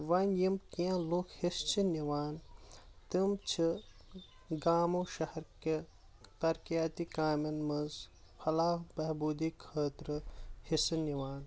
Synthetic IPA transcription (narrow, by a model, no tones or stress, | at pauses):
ʋɐnjimkiãlokhist͡ʃʰiniʋaːnt̪imt͡ʃʰi | ɡaːmoʃɐhɐɾke | t̪ɐɾkijaːt̪ikaːmɐnmɐzfʰɐlaːɦbɐɦbuːd̪ikʰəːt̪ɾɨhisɨniʋaːn